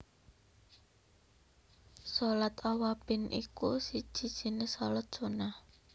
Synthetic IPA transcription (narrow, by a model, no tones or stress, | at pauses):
sɔlat̪ɔwab̥ɪ̤nʔḭkṵsid̥ʒ̥i̤d̥ʒ̥i̤nesɔlɔt̪̚ʒ̥ona